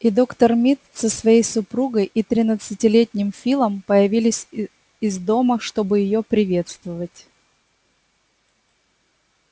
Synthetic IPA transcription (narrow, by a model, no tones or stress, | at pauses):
id̪o̞kt̪ərmʲit̪səsvɐjejsʊpɾuɡəjʔit̪ɾʲɪnət̪sɨtʲɪlʲetʲnʲɪmfʲilˠəmpəjɪvʲilʲɪsʲ | ɪzd̪o̞məʂt̪o̞bɨjɪjopɾʲɪvʲe̞t̪st̪vəvətʲ